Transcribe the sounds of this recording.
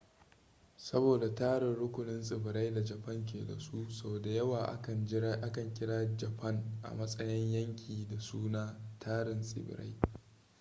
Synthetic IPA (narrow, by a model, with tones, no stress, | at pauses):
sɐ˦boː˨da˨taː˦ɽɪ˨nɽʊ˦kʷʊ˨nɪ˦nsʼɪ˨bɪ˨ɾa˦jda˨d͡ʒɐ˨pɐ˦ŋk̬ʲeː˨dɐ̰˨su˦so˦˨da˨jɐ˦waː˨ʔa˦kɐ˨˦ʔa˦kɐ˨ŋkʲɪ˦ɽaː˦d͡ʒɐ˨pɐ˦ŋʔa̰˨mɐ˦sʼɐ˦jɪ˦ɲjɐ˦ŋkʲʰiː˨da˨suː˦naː˦tʰaː˦ɾɪ˨nsʼɪ̰˨bɪ̰˨ɾa̰˦j